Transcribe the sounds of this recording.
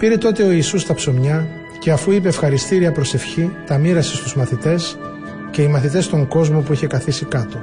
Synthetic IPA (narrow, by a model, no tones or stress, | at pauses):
piɾet̪o̞t̪e̞o̞isust̪ɐpso̞mɲɐ | ce̞ɐfuip̬e̞ːfxɐɾist̪iɾiɐpɾo̞se̞fçit̪ɐmiɾɐsest̪uzmɐθit̪e̞s | ce̞imɐθit̪̬e̞st̪o̞ŋɡo̞zmo̞puiçe̞kɐθisikɐt̪o̞